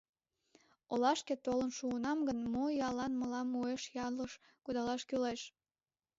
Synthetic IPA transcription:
olɑʃket̪olənʃuənɑmɡənmojɑlɑnməlɑmːueʃjɑləʃ | kud̪ɑlɑʃkyleʃ

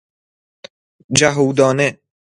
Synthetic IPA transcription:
d͡ʒæɦuːd̪ɒːne

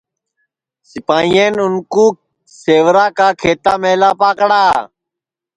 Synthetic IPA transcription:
sɪpaːĩeːnʊnkuː | seːʋɾaːkaːkʰeːt̪aːmeːlaːpaːkɽaː

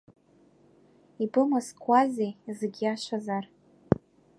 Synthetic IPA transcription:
ibɨmaskʷʰʼazejzeɡʲiaʃʷazar

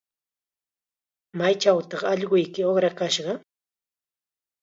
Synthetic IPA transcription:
majt͡ʃawt̪ɑχɑʎɢʊjkɪoχɾakaʃɢɑ

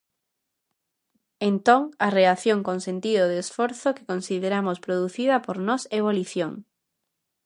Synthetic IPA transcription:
ent̪oŋɐreaθjoŋkoŋsent̪iðoðesfoɾθokɪ̥konsiðeɾamospɾoðuθiðɐpoɾnɔseβoliθjoŋ

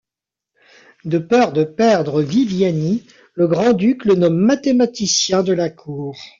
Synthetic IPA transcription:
d̪əpœʁd̪əpɛʁd̪ʁəvivjani | ləɡʁɑ̃d̪yklənɔmːat̪emat̪isjɛ̃d̪əlakʰuːʁ

